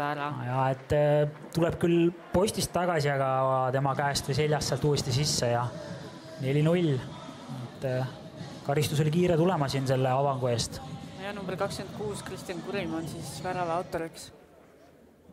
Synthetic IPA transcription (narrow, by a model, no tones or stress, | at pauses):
ɾɑjɑe̞t̪ː | t̪ule̞b̥̚kylpo̞st̪ist̪ːɑɡ̥ɑsiɑɡ̥ɑt̪e̞mɑkæest̪vejse̞lʲːjɑst̪seɑlt̪uːesʲt̪isisːejɑ | ne̞lʲinulʲ | et̪ːˑ | kɑɾist̪us̬olʲikiːɾet̪ule̞mɑsinse̞lːe̞ɑvɑŋɡ̥ue̞ːst̪ɑjɑnumbrkɑkskend̪̚kuːskrist̪ijɑnkuɾimɑnsisvæɾɑvɑwt̪ːˑoɾiks